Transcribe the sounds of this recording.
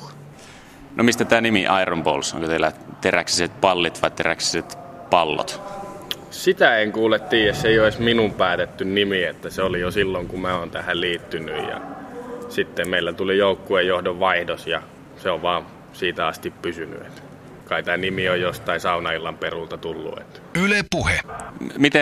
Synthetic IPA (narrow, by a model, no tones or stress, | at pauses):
nʔomist̪æt̪æːnimiʔɑirombo̰lso̰ŋkot̪elːæt̪eræksi̥set̪̚pɑlːit̪ʋɑit̪eræksi̥set̪ | pɑlːo̰t̪ | sit̪æeŋkuːlet̪ːiːjæsseioisminumpæːt̪et̪ːynnimiet̪ːæseolijosilːoŋkumæoːnt̪æhælliːt̪ːynyjjɑ̰sit̪ːemmeilːæt̪ulijoukːuejjohdoʋʋɑihdosjɑ | seoʋʋɑːn | siːt̪æɑst̪ippysyny̰ḛt̪ | kɑit̪æːnimiojjost̪ɑisɑunɑilːɑmperult̪ɑt̪ulːṵḛt̪ | ylepuhemit̪e